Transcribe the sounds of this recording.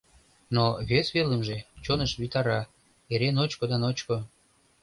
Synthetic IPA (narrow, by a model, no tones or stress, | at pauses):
noβesβeləmʒet͡ɕonəʃβit̪ɑɾɑ | eɾenot͡ɕkod̪ɑnot͡ɕko